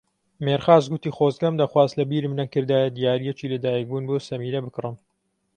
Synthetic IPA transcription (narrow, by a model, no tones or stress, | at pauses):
meɾxaːzɡʊt̪iːxoːzɡɐmd̪ɐxwaːzlɐbiːɾmnɐŋkɨɾd̪aːjɐd̪ijaːɾijɛt͡ʃiːlɐd̪aːjɐk̚buːnboːsɐmiːɾɐbɨkrɨm